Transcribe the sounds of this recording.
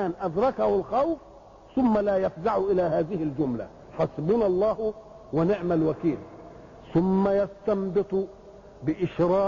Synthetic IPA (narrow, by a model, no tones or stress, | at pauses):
aːnʔad̪ɾˤɑkahɪlxawf | θʊmːalaːjafzaʕuʔɪlaːɦaːðɪhɪld͡ʒʊmla̰ | ħɑsˤɨbuːnɑlˤːɑːh | wɪnɪʕmalwakiːl | θʊmːajast̪ɑmbɨt̪ˤ | bɪʔɪʃɾˤɑː